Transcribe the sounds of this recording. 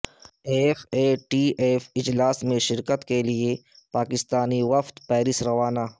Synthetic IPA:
eːfeːʈiːʔeːfɪd͡ʒlaːsmẽʃɪɾkət̪kelie | paːkɪst̪aːniʋɐft̪pɛːɾɪsɾɐʋaːnaː

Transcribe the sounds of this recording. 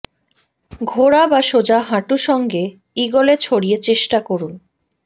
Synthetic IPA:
ɡʱoɽabaʃod͡ʑaɦãʈuʃɔŋɡe | iɡolet͡ɕʰoɽijet͡ɕeʃʈakoɾun

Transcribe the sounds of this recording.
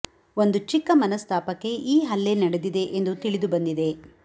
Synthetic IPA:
o̞nd̪ut͡ʃikːɐmɐnɐst̪ʰaːpɐkːe̞ʔiːɦɐlːenɐɽed̪id̪e̞ʔend̪ut̪iɭid̪ubɐnd̪id̪e̞

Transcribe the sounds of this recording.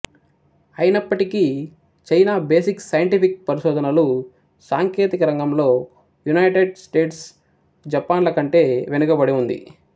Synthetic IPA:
ɐjnɐpːɐʈiki | t͡ʃɐjnaːbe̞ːsiksɐjɐɳʈipik̚pɐɾiʃɔːd̪ʱɐnɐlu | saːŋke̞ːt̪ikɐɾɐŋɡɐmlo̞ː | junɐjʈeɖsʈe̞ːʈs | d͡ʒɐpːaːnlɐkɐɳʈe̞ːʋenukɐbɐɽiund̪ḭ

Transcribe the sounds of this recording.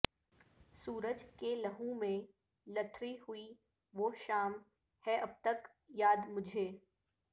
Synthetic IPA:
suːɾəd͡ʒkelɐɦũmẽ | lɐt̪ʰɾihʊi | ʋoːʃaːm | hɛʔɐb̚t̪ɐk | jaːd̪mʊd͡ʒʱeː

